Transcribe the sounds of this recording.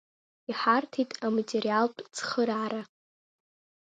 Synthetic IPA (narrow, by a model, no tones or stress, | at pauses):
iħartʰitʼamatʼeɾijaltʼt͡sʰχəɾaːɾa